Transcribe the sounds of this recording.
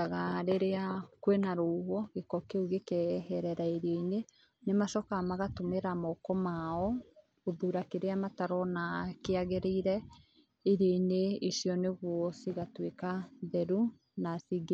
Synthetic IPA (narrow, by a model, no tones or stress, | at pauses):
aɣaɾeɾeakwenaɾowɔɣekɔkeuɣekɛhɛɾɛɾaeɾjɔine | nemaʃɔkamaɣatomeɾamɔkɔmaɔ | oðuɾakeɾeamataɾɔnakeaɣeɾeiɾɛ | eɾjɔineisjɔneɣwɔsiɣatwekaðɛɾu | nasiɡe